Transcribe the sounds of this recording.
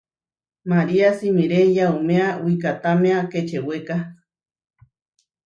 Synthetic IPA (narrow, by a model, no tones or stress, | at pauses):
maɾiasimiɾejaumeawikat̪ameaket͡ʃeweka